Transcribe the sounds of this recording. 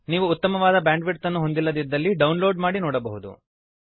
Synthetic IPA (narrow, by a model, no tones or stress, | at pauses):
niːʋuːt̪ːɐmɐʋaːd̪ɐbaːɳɖʋiʈt̪ɐnːuɦo̞nd̪ilːɐd̪id̪ːɐlːiɖɐwunlo̞ːɖmaːɽinɔːɽɐbɐɦud̪ṵ